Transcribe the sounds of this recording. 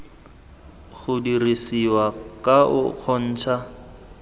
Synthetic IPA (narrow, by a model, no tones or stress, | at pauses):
ɣʊdirisiwakʼaʊk͡xʰɔn̩ːt͡ʃʰa